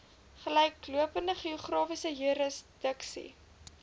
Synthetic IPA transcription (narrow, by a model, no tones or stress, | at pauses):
χəlɛjkːluəpəndəχioχrɑːfisəɦuɾəsd̥əksḭ